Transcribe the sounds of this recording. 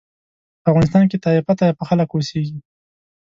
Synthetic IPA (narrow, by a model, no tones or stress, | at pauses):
afɣɑnɪst̪ɑnk̬et̪ɑɪfat̪ajpəxaləkoseɡi